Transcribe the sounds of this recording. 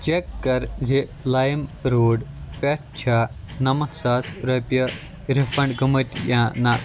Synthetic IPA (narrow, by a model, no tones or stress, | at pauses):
t͡ʃekːɐɾzelaːjmɾoːɖpeʈ̚t͡ʃʰaː | nɐmɐsaːsɾɐpjɐ | ɾifɐɳɖɡɐmɐt̪ʲjãːna